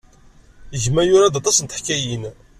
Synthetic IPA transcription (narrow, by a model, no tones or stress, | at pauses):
jəʝmæjʊɾɑðɑt̪ˤːɑsnt̪ə̥ħkæjin